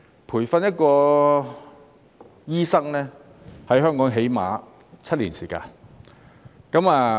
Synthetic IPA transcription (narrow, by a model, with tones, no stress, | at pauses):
pʰuː˨˩jfɐ˨˧njɐ˥t̚kɔː˧ | jiː˥sɐ˥ŋlɛː˥ | hɐ˨jhɦœː˥ŋkɔː˨˥ŋɦe˨˥jma̰ː˨˥ | t͡sʰɐ˥t̚liː˨˩nsiː˨˩ka̰ː˧n | kɐ˨˥maː˧